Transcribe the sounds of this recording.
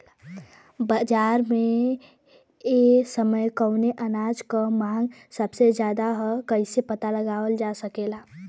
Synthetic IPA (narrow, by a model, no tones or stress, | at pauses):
bad͡ʒaːɾmẽ | esəməjkəʊneʔənaːd͡ʒkamãːŋɡsəbsed͡ʒjaːd̪aɦkəɪsepət̪aləɡaːwəld͡ʒasəkela